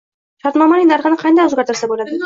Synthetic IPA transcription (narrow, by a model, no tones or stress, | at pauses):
ʃɑɾt̪mɑmɑlijnaɾʁɨnɪqʰɑnd̪ɑjɵzɡaɾt̪aɾsabolˠad̪ɪ